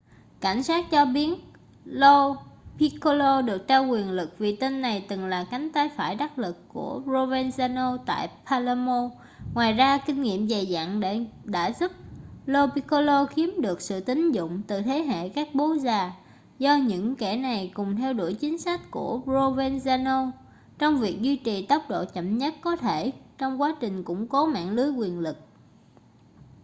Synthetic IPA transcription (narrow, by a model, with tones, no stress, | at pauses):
ka˧˩jŋ̟saː˦˥t̚t͡ɕɔ˧ɓi˨˦ən | lo˧pi˧ko˧lo˧ɗɨ˨˩ək̚t͡ɕaː˧wkwi˨˩ənlɨ˨˩k̚vi˨˩t̪i˧nːa˨˩jt̪ɨ˨˩ŋlaː˨˩ka˨˦ŋ̟t̪aː˨˦jfaː˧˩jɗa˦˥k̚lɨ˨˩kːu˧˩əzo˧vɛ˧nzaː˧no˧t̪a̰ː˧˨jpʰaː˧la˧mo˧ | ŋwaː˨˩jzaː˧kï˧ŋ̟ŋḭ˧˨əmze˨˩za̰ː˧˨ŋɗe˧˩ɗa̰ː˧˥zu˦˥p̚lo˧pi˧ko˧lo˧xi˨˦əmɗɨ˨˩ək̚sɨ̰˧˨t̪ï˨˦ŋ̟zʊ̰˧˨ŋ͡mt̪ɨ˨˩t̪ʰe˨˦ɦḛ˧˨kaː˦˥k̚ɓo˨˦zaː˨˩ | zɔ˧ɲɨ̰˧˥ŋkɛ˧˩na˨˩jkʊ˨˩ŋ͡mt̪ʰɛ˧wɗu˧˩jt͡ɕï˨˦ŋ̟sa˦˥jk̟̚ku˧˩əzo˧vɛ˧nzaː˧no˧ | t͡ɕɔ˧wŋ͡mvi˨˩ək̚zwi˧t͡ɕi˨˩t̪ə˦˥wk͡p̚ɗo̰˧˨t͡ɕə̰˧˨mɲə˦˥t̚kɔ˨˦t̪ʰe˧˩t͡ɕɔ˧wŋ͡mkwaː˨˦t͡ɕï˨˩ŋ̟kʊ̰˧˥ŋ͡mkɔ˨˦ma̰ː˧˨nlɨ˨˦jkwi˨˩ənlɨ˨˩k̚